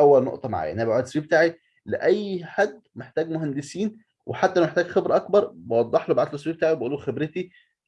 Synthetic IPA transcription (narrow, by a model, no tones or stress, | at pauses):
ʔæwːælno̰ʔt̪ˤɑma̰ʕa̰j̰ʔnʔhæbaʕud̪swiːbet̪aːʕi | leʔæjːħad̪ːmeħt̪æːɡmʊɦænd̪esiːn | wʔeħat̪ːæʔlæwmeħt̪æːɡxebɾʔɑkbɑɾˤbɑwɑd̪ˤːɑħlobaʕat̪loswibet̪aːiwebæʔuːluxebɾet̪i